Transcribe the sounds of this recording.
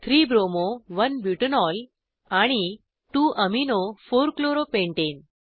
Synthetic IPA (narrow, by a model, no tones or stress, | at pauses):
t̪ʰɾiːbɾomoʋənbjuʈənɔl | aɽ̃i | ʈuːʔəminofoɾkloɾopẽɳʈen